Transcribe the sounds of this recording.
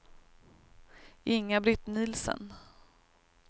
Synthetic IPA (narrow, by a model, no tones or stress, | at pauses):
ʔɪŋːabɾɪt̪niːlsə̰n